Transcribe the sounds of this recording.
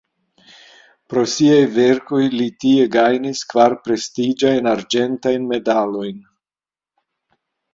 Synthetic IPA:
pɾo̞siajve̞ɾko̞jlitie̞ɡajniskvaɾpɾe̞stid͡ʒajnaɾd͡ʒe̞ntajnme̞dalo̞jn

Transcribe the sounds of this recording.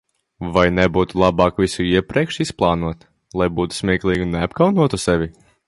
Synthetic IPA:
vajnɛbuːt̪ulˠɑbɑːkvisuiɛpɾiɛkʃisplˠɑːnuɔt̪ | lˠajbuːt̪u̥smʲiɛklˠiːɡineapkawnuɔt̪usɛvʲi

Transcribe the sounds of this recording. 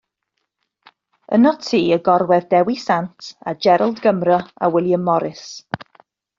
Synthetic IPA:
ə̰nɔtʰiːəɡɔrwɛðdɛwisantʰad͡ʒɛɾəlˠdɡəmrəa̰wɪlˠjəmːɔɾɪs

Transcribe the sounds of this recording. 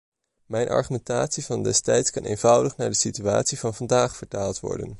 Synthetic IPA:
mɛjnʔɑ̰ɹχymɛntaːtsivɑndɛstɛjtskɑnʔejnvʌwdəχnaːɹdəsitya̰ːtsivɑnvɑndaːχfəɹtaːlˠtʋɔ̰ɹdə̰n

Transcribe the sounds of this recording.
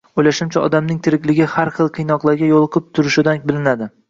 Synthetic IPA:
ojlaʃɪmt͡ʃʰaɒ̰d̪amnɪŋt̪ʰɪɾɪkʲlɪɡʲɪhaɾχɨlˠqʰɨjnɒqlˠaɾɡʲajolˠqʰɨp̚t̪ʰʊɾɪʃɪd̪anbɪlɪnad̪ɪ

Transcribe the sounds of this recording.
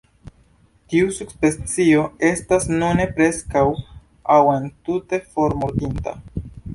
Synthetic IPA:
tiusukspet͡sio̞e̞stasnune̞pɾe̞skaw | awe̞ntute̞fo̞ɾmoɾdinta̰

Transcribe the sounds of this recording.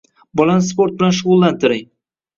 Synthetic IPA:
bɒlanspo̞ɾt̪̚bɪlanʃʊʁʊlˠːant̪ʰɪɾɪŋ

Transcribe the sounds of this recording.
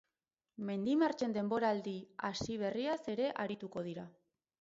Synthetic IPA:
me̞nd̪imaɾt͡ʃe̞nd̪e̞mbo̞ɾaːld̪iasiβ̞e̞riase̞ɾe̞ʔaɾit̪uko̞ðiɾa

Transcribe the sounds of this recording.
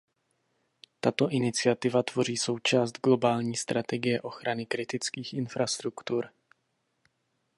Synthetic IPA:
t̪at̪o̞ʔɪnɪt͡sɪat̪ɪvat̪vo̞r̝iːso̞wt͡ʃaːst̪ɡlo̞baːlɲiːst̪ɾʔat̪ɛɡɪjɛʔo̞xɾanɪkɾɪt̪ɪt͡skiːxʔɪnfɾast̪ɾukt̪uɾ

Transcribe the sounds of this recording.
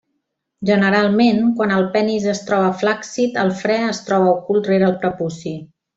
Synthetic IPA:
ʒənəɾalˠmenkwanəlˠpɛnizəst̪ɾɔβ̞əflaksit̪əlˠfɾɛəst̪ɾɔβəukulˠt̪reɾəlˠpɾəpusi

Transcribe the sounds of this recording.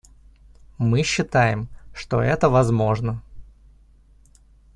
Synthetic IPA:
mɨɕːɪt̪ajɪmʂt̪o̞̰ɛt̪əvɐzmo̞ʐnə

